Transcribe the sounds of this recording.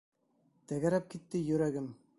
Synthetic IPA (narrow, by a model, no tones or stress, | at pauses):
t̪æɡæɾæp̚kit̪ːɘjɵ̆ɾæɡɘm